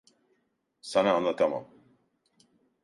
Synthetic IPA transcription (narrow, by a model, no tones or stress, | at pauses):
sanaːnlˠat̪ʰama̰m